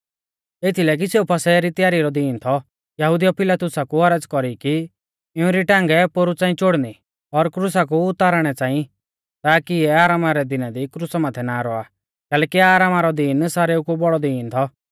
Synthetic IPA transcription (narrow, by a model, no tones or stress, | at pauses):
et̪ʰilɛːk̬iseːupʰɐsɛɾit̪ɪjaːɾiɾɔd̪iːnt̪ʰɔ | jɐɦʊd̪ijɔpʰɪlaːt̪ʊsakuɦɐɾəd͡zkɔɾiki | ɪũɾiʈãːŋɡɛpoɾut͡saːĩt͡ʃoɽni | ɔɾkɾʊsak̬uʊt̪aːɾɽ̃ɛt͡sãːĩ | t̪aːkiɛaːɾaːmaɾɛd̪ɪnad̪ikɾʊsamãːt̪ʰɛnaɾɔa | kɛːlɛːkiaːɾaːmaɾɔd̪iːnsaːɾeukubɔɽɔd̪iːnt̪ʰɔ